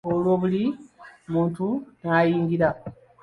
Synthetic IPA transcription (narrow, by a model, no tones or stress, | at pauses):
olwo̞ːβulimuːntunaːjiːŋɡiɾa